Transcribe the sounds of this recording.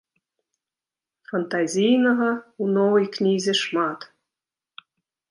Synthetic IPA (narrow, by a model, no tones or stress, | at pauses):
fant̪ɑzʲijnəɦɑunowiknʲizʲeʃmɑt̪